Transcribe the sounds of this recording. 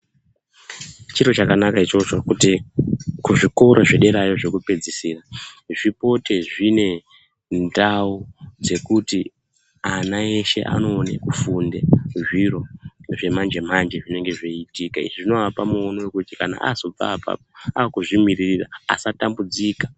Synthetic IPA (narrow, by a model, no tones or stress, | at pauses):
t͡ʃirot͡ʃakanakait͡ʃo̞t͡ʃokutikuʐiko̞ɾʔoʐeɗe̞ɾajo̞ʐe̞kupe̞d͡zisiːraʐipo̞te̞ʐine̞ | ndaud͡ze̞kuti | anae̞ʃe̞̰ʔa̰no̞ːnḛkufundeʐiro̞ʐe̞mand͡ʒe̞mand͡ʒeʐine̞ŋɡe̞ʐeitikaḭʐiʐino̞ʋapamuonowe̞kutikana̰ʔazo̞b͡va̰ːpa̰p̚oaːkuʐimiririra̰a̰satambud͡zikḁ